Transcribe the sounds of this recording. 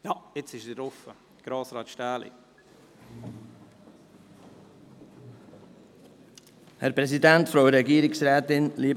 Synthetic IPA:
jɑɪt͡sɪʃdɪtɾɔfə | ɡ̥ɾɑːsɾɑːt̪ʃtæːlḭ | hɛɾpɾɛsidæntfɾoʊɾɛɡiːɾɪksɾæːt̪ɪnliːb

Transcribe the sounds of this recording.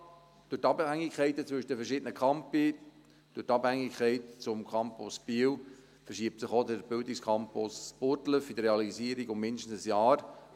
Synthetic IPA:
d̥ʊtːɑbhæŋːɪkχɛɪtət͡sʋʏʃədəfəɾʃɪːdənəkʰɑmpi | d̥ʊtːɑbhɛŋːɪkʰχɛɪtt͡sʊmkʰɑmpʊsb̥iw | fəɾʃiəp̚tsəχodəɾb̥ɪldɪkskʰɑmpʊspʊɾtləfidəɾeɑliziəɾiɡʊmːɪndɪʃtən̩səsjɑːɾ

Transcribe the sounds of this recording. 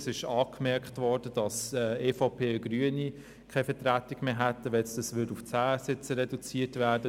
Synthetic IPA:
sɪʃɑːkmɛɾkχtvɔd̥əd̥ɑsɛeːfɔʊpʰeːəɡryːəni | kʰaɪfətrætɪɡ̥meːɦætːəʋɛsdəsʋʏduft͡sæːsɪt͡səɾɛdut͡siːtvæːɾd̥ə

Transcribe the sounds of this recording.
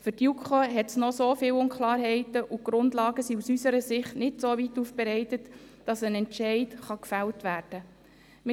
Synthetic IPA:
fʏtjukχoɦɛtsnɔsoːfɪːwʊnkχlɑːɾɦɛɪtəʔuɡ̥ɾʊndlɑːɡəsiusysəɾəsɪχtnɪtsoːvitːuːfb̥ɛɾɛɪtətd̥ɑsənɛnʃɛɪtχɑkfæltʋæːɾd̥ə | m

